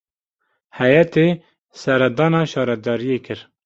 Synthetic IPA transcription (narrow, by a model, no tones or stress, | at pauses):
hɛjɛt̪eː | sɛɾɛd̪ɑːnɑːʃɑːɾɛd̪ɑːɾijekʰɨɾ